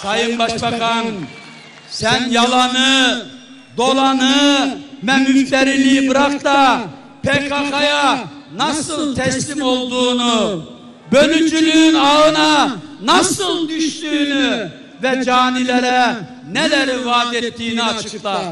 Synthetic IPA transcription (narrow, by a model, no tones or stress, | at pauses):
sɑjɯmbaʃbɑkʰɑn | sænjɑlˠɑnɯ | d̪o̞lˠɑnɯmɛmyft̪ɛɾilibɯɾaqt̪ɑ | pʰekʰakajanɑsɯlˠt̪ʰɛslimo̞lˠd̪uːnu | bølyd͡ʒylynɑɯnɑnɑsɯlˠd̪yʃt̪yːny | vɛd͡ʒaːnilʲɛɾɛ | nelæɾivaːd̪et̪ʰːiːniɑt͡ʃʰɯkt̪ɯ